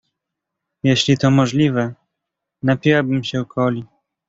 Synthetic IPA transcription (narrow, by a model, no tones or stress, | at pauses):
jeɕlʲit̪ɔmɔʐlʲivɛ | napʲiwabɘmɕɛwkʰɔlʲi